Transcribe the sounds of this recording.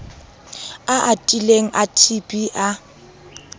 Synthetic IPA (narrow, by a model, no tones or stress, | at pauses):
aʔatʼileŋ̩ʔatʰipʼiʔa